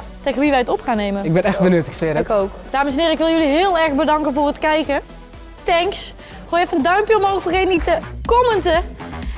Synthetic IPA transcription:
tejɣənʋiʋɛjətɔpχaːnːejmənɪɡ̚bɛnɛx̚bənøtɪksɪdkowk | d̥aːməsɛnɪːrəɪkʋɪlˠjøliɦɪːlˠɛrɣbədɑŋkənvʊːrətkɛjkə | tɛŋks | χoːjɛfəəndœɥmpjəɔmɦowfərɣejtnitəkɔməntə

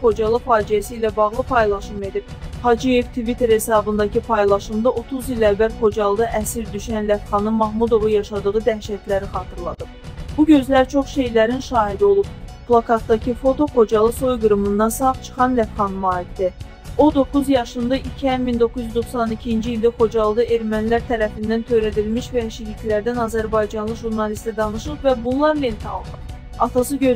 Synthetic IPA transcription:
χo̞d͡ʒɑlˠɯfɑːd͡ʒijæsiːlæbɑʁlˠɯpʰɑjlˠɑʃɯme̞d̪ib̚ | hɑd͡ʒije̞vt̪ʰvit̪ʰe̞ɾhe̞sɑːbɯnd̪ɑcʰipʰɑjlˠɑʃɯmd̪ɑʔo̞t̪ʰuzilævæɾχo̞d͡ʒɑlˠd̪ɑʔæsiɾd̪yʃænlæfχɑnɯmɑɦmud̪o̞vujɑʃɑd̪ɯʁɯd̪æʃæt̪læɾiχɑːt̪ʰɯɾlˠɑ̰d̪ɯpb̥uɟø̞zlæɾt͡ʃʰo̞χʃe̞jlæɾinʃɑːɦid̪io̞lˠupplˠɑkɑt̪ːɑcʰifo̞t̪o̞xo̞d͡ʒɑlˠɯso̞jɡɯɾɯmɯnd̪ɑnsɑχt͡ʃʰɯ̥χɑnlæfχɑnmɑːid̪d̪æ | o̞d̪o̞kuzjɑʃɯnd̪ɑʔicʰihænmind̪o̞kʰuzjyzd̪o̞χsɑnicʰind͡ʒiːlʲd̪æχo̞d͡ʒɑlˠɯd̪ɯʔe̞ɾmænlæɾt̪ʰæɾæfind̪ænt̪ʰø̞jɾæd̪ilmiʃvæʃikicʰlæɾd̪ænɑzæɾbɑjd͡ʒɑnlˠɯʒuɾnɑlist̪læd̪ɑnɯʃɯqvæbunlˠɑɾlent̪ʰɑ̰lˠd̪ɯ | ɑt̪ʰɑsɯɟø

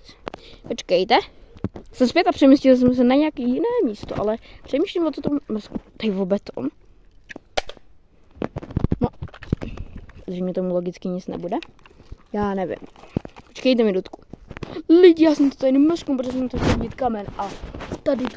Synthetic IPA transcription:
pot͡ʃkɛjt̪ɛ | sɛmspjɛt̪apr̥ɛmiscɪls̬ɛms̬ɛnaɲɛjakijɪnɛːmiːst̪oʔa̰lɛpr̥ɛmiːʃlimvot̪ot̪ommɛskut̪ajvobɛt̪o̰m | no | t̪ʒɛmɲɛt̪omuloɡɪt͡skɪɲɪt͡snɛ̰budɛjaːnɛvɪ̰mpot͡ʃkɛjt̪ɛmɪdut̪ku | lɪɟɪjaːsɛmt̪ot̪ajnimmɛskumpɾoɛsɛmt̪axcɛlviɟɛt̪kamɛnʔat̪adɪ

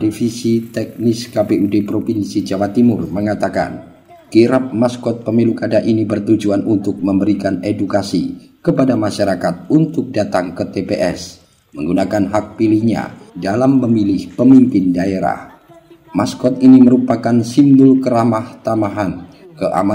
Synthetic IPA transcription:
difisit̪ɛk̚nɪskapeʔudepɾofinsid͡ʒawat̪imʊrməŋat̪aka̰n | kiɾap̚maskɔt̪̚pəmilukadaʔinibərt̪ud͡ʒuanʔunt̪ʊk̚məmbəɾikanedukasḭkəpadamaʃaɾakat̪̚unt̪ʊk̚dat̪aŋkət̪epeʔɛ̰s | məŋɡunakanɦak̚pilihɲa̰dalamːəmilɪhpəmimpɪndaeɾa̰h | maskɔt̪iniməɾupakansimbʊlkəɾamaht̪amaɦan | kəʔa̰ma

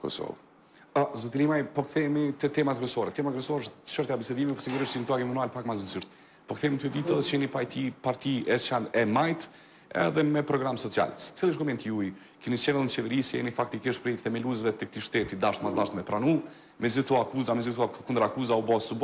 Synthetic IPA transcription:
kɔ̰sɔ̰v | ɔzut̪ilimajpɔkθɛmit̪ət̪ɛmat̪ɛkɾɛsɔɾɛt̪ɛmat̪əkɾɛsɔɾəʃt̪ʃɔɾt̪jabisɛd̪imipəɾsiɡuɾiʃt̪int̪uaɡimunualpakmazənsiʃt̪ | pɔkθɛmit̪ud̪it̪ət͡ʃɛnipajt̪ʰipaɾt̪iɛt͡ʃanɛmajt̪ | ɛ̰ðɛmɛpɾɔɡɾamsɔt͡sia̰lsɛ̥t͡silˠiəʃɡɔmɛnt̪iuj | kinit͡ʃɛvɛlˠint͡ʃɛvəɾisɛ̰nifakt̪ikiʃt̪pɾɛθɛmɛluzvɛt̪ɛk̚t̪iʃt̪ɛt̪id̪aʃt̪mazlˠaʃt̪mɛpɾanu | mɛzit̪ɔakuzamɛzit̪ɔkund̪əɾakuzaubɔsub

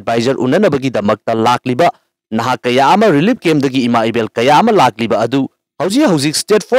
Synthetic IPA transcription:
d̚bʱajd͡ʒɐɾʔṵnːɐnɐbɐɡidɐmɐk̚tɐlak̚libɐ | nɐɦakɐjaɐmɐɾilip̚kemdɐɡiːmaibelkɐjaɐmɐlak̚libɐːdu | hɐwd͡ʒik̚hɐwd͡ʒik̚stet̚pʰo

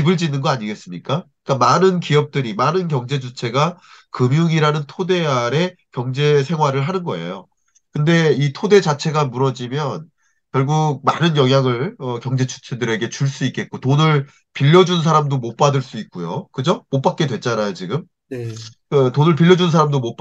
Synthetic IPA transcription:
ibɯɭd͡ʑinɯnɡʌaɲiɡe̞s͈ɯmɲik͈a | k͈amanɯnkiʌp̚t͈ɯɾimanɯnkjʌŋd͡ʑe̞d͡ʑut͡ɕʰe̞ɡakɯmjuŋiɾanɯntʰode̞aɾe̞kjʌŋd͡ʑe̞sʰe̞ŋɦwaɾɯɭɦanɯnɡʌe̞̰jo | kɯnde̞itʰode̞d͡ʑat͡ɕʰe̞ɡamuɾʌd͡ʑimjʌn | kjʌɭɡuɡ̚manɯnjʌŋɦjaŋɯɭʌkjʌŋd͡ʑe̞d͡ʑu̥t͡ɕʰe̞dɯɾe̞ɡe̞t͡ɕuɭs͈uik͈e̞t̚k͈otonɯɭ | piʎːʌd͡ʑuns̬ʰaɾamdomot̚p͈adɯɭs͈uik̚k͈ujo̰kɯd͡ʑomot̚p͈ak͈̚e̞dwe̞t͡ɕ͈anajot͡ɕiɡɯm | kɯtonɯɭpiʎːʌd͡ʑunsʰaɾamdomop

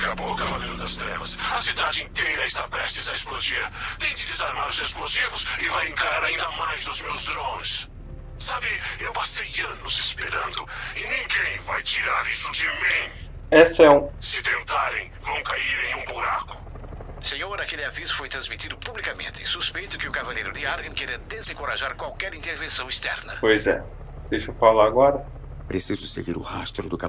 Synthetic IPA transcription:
kabokɐvalẽnd̪ʊd̪ɐst̪ɾɛ̰vɐsɐsid̪ad͡ʒɪĩnt̪ejɾɐɪst̪apɾɛst̪ɪzɐesplod͡ʒiɾt̪ẽj̃d͡ʒ̪ɪd̪ɪzaɾmaɾʊzesplozivʊsɪvajẽŋkaɾaɾaĩnd̪ɐmajzd̪ʊzmewzd̪ɾõns | sabɪewpasejɐ̃nʊz̥espeɾɐ̃nd̪ʊɪnĩŋɡẽj̃vajt͡ʃiɾaɾisʊd͡ʒɪmĩ | ɛsʊɛũsɪt̪ẽnt̪aɾẽj̃vɐ̃w̃kaiɾẽj̃ũbuɾakʊ̥ | sẽɲoɾnɐkelɪavizʊfojt̪ɾɐ̃zmit̪id̪ʊpublikamḛ̃nt̪ɪɪsuspejt̪ʊkɪʊkavalejɾʊd̪ɪaɾɡẽkeɾiɐd̪ezẽŋkoɾaʒaɾkwawkɛɾĩnt̪eɾvẽsɐ̃w̃ist̪ɛ̰ɾnɐpojzɛ̰ | d̪̥ejʃofalaaɡɔɾɐ | pɾesizʊsḛɡiɾʊ̰hast̪ɾʊd̪ʊka

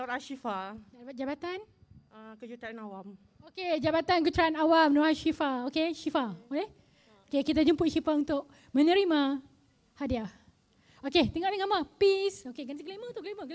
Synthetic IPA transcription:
at̪aʃifaat̪̚d͡ʒabat̪an | akəd͡ʒut̪ɾanawam | oked͡ʒabat̪ank̬ət̪ɾanawamnoaʃifaokeʃifaole | okekit̪̬ad͡ʒumpʊʔʃifaunt̪ʊʔ̚ | mə̃nə̃ɾima | hadia | oket̪ɛŋɔʔdəŋamapisokeɡansikəlimə̃t̪uʔkliməkl

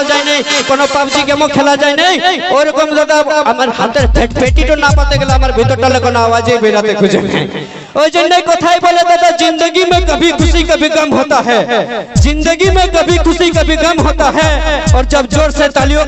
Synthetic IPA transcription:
d͡ʒaːinaĩkɔːnopabd͡ʒiɡɐmõkʰelad͡ʒaːinaĩoːɾkəmzad̪aɐmaɾɦãt̪əɾpʰeʈpeːʈiʈonapət̪eɡelaɦɐmaɾbʱit̪oʈəlẽkɔːnoaːʋaːd͡ʒebʱeɾat̪ekʊd͡ʒḛnɛ̰̃ | oːd͡ʒenːɐikoːt̪ʰaipoːlet̪at̪ad͡ʒɪ̃nd̪əɡimẽkɐbʱikʰʊsikɐbʱikɐmɦoːt̪aɦɛd͡ʒɪ̃nd̪əɡimẽkɐbʱikʰʊsikɐbʱikɐmɦoːt̪aɦɛɔːɾd͡ʒɐbd͡ʒoːɾset̪ɐlijo

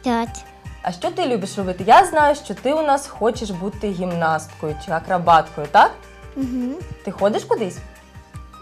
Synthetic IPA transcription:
t̪ak | ɐ̰ʃt͡ʃɔt̪ɪlʲubʲɪʃrɔbɪt̪ɪjaznɑjʊʃt͡ʃɔt̪ɪunɑsxɔt͡ʃɪʃbut̪ɪɣʲimnɑst̪kɔjʊt͡ʃɪɐkɾɐbɑt̪kɔjʊt̪ak | m̩ɦ̩t̪ɪxɔd̪ʲɪʃkʊd̪ɪsʲ

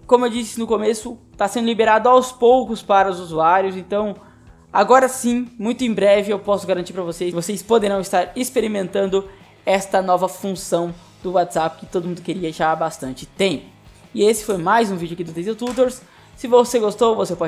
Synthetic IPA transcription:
kõmʊewd͡ʒisɪnʊkomesʊ | t̪asẽnd̪ʊlibeɾad̪ʊawspowkʊspaɾɐʊzuzuaɾjʊzẽnt̪ɐ̃w̃ | a̰ɡɔɾɐsĩmũj̃t̪ʊẽj̃bɾɛvɪewpɔsʊɡaɾɐ̃nt͡ʃiɾpɾɐvosevosespod̪eɾɐ̃w̃ɪst̪aɾispeɾimẽnt̪ɐ̃nd̪ʊ | ɛst̪ɐnɔvɐfũsɐ̃w̃ | d̪ʊwat̪z̥apɪ̥kɪ̥t̪od̪ʊmũd̪ʊkeɾiɐʒabast̪ɐ̃nt͡ʃɪ̥t̪ẽpʊ̥ | ɪesɪ̥fojmajzũvid͡ʒʊɐkid̪ʊd̪ezet̪ut̪oɾsː | ɪvoseɡost̪owvosepɔd͡ʒ

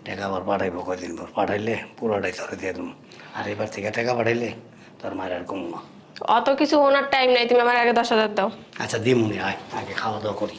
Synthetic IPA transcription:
ʈɛkabɔɾpaʈʰajbɔkɔjd̪inbɔɾpaʈʰajlepuɾaʈajt̪ʰɔɾed̪iad̪um | a̰ɾejbaɾt̪ʰikaʈɛkapaʈʰajle | t̪aɾmajɾaɾkumulɔ | ɔt̪okit͡ɕʰuɦownaɾʈajmnajt̪umiamaɾaɡed̪ɔʃazaɾ̚d̪aw | a̰tːt͡ʃʰad̪imuniajakekʰalɔd̪ɔkɔɾi

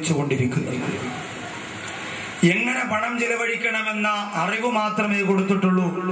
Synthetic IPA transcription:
t͡ɕːuɣo̞ɳɖiɾikʲːunːɐ | eŋːɐne̞pɐɳɐmt͡ɕelɐʋɐɽikʲːɐɳɐme̞nːɐʔɐriʋumaːt̪rɐmeːko̞ɽut̪ːiʈːuɭːu

